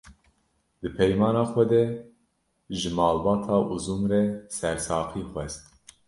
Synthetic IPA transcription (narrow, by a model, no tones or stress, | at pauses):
d̪ɨpʰɛjmɑːnɑːxʷɛd̪ɛ | ʒɨmɑːlbɑːt̪ʰɑːʔuzumrɛsɛɾsɑːqiːxʷɛst̪